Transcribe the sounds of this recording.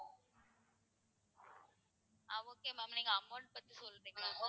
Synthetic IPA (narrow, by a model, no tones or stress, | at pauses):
aʋoːkeːmaːmniːŋɡɐɐmːaːʈ̚pɐt̪ːisɔlɾiːŋɡɐla